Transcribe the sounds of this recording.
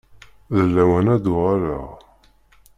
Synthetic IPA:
ðəlːæwænæd̪ʊʁaɾəʁ

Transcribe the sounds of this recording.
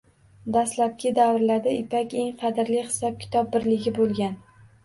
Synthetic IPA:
d̪aslap̚kʲɪd̪avɾlad̪aɪpʰakʲe̞ŋqʰɑd̪ɪɾlɪhɪ̥sɒp̚kʲʰɪ̥t̪ʰɒb̚bɪɾlɪɡʲɪbolˠɡʲan

